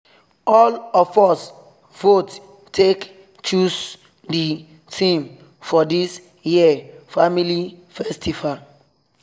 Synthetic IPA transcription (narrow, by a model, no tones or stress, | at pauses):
ɔlɔfɔs | v̥ot | tʰek | t͡ʃus | di | tʰĩm | fɔdis | jiɛfamilifɛstifal